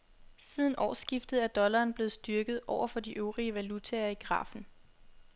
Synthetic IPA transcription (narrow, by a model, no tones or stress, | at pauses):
sið̞ˠn̩ʔɒ̰ːsɡ̥ifd̥ð̩ˠæɐd̥ɒ̽lɐːnb̥le̝ð̩ˠsd̥yɐɡ̥ð̩ˠʔɒʊ̰ɐfɒ̽d̥iʔøʊʁiəʋælut͡sʰeɐiɡ̥ʁɑ̰̈ːfn̩